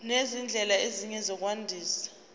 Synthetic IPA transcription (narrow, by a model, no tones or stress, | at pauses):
nezind͡ɮʱɛlaeziɲɛzɔk̬ʼwandʱiːsḁ